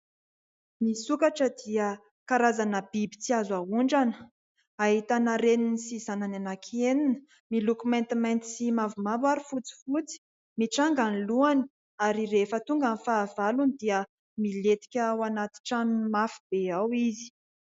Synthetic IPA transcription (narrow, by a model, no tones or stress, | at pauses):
misukaʈ͡ʂəd̪iə | kaɾazanəbibit͡siazauɳɖ͡ʐanə̥ | aɦit̪anaɾeninisizanananakʰeninə̥ | milukument̪imajnt̪i̥simavumabaɾifut͡si̥fut͡si̥ | miʈ͡ʂaŋɡanluani̥ | aɾirefət̪uŋɡənifaːvalunid̪iə | milet̪i̥kʲawanat̪i̥ʈ͡ʂanmafi̥b̥eawizi̥